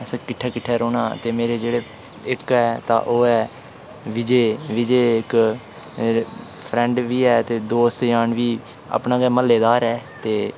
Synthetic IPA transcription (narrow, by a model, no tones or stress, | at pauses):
skɪʈʰːɛːkɪʈʰːɛːɾoːna̰ːt̪eːmeːɾeːd͡ʒeːɽeː | ɪkɛːt̪a̰ːʔoːɛː | ʋɪd͡ʒeːʋid͡ʒeːɪk | pʰɾɛ̃ːɳɖʋiːɛːt̪eːd̪oːst̪jaːɳʋiː | a̰ːpnãːɡɛːməlːeːd̪aːɾɛːt̪eː